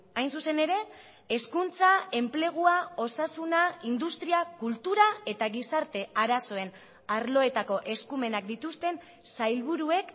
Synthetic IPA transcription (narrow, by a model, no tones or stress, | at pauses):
ajnsuse̞ne̞ɾe̞ː | skunt͡sae̞mple̞ɣ̞uao̞sasunaind̪ust̪ɾiakult̪uɾae̞t̪aɣisaɾt̪e̞aɾaso̞e̞n | aɾlo̞e̞t̪ako̞ʔe̞skume̞nak̚d̪it̪ust̪e̞n | sajlβuɾue̞k